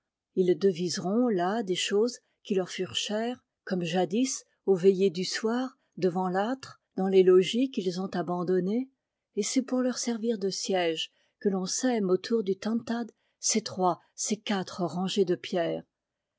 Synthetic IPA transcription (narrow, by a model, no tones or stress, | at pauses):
ild̪əvizʁɔ̃lad̪eʃoz | kʲilœʁfyʁʃɛʁ | kɔmʒad̪is | ovejed̪yswaːʁ | d̪əvɑ̃lat̪χ | d̪ɑ̃lelɔʒikilzɔ̃t̪abɑ̃d̪ɔne | esɛpuʁlœʁsɛʁviʁd̪əsjɛʒ | kəlɔ̃sɛmot̪ʰuʁd̪yt̪ɑ̃t̪ad̪ | set̪χwa | sekat̪χəʁɑ̃ʒed̪əpjɛːʁ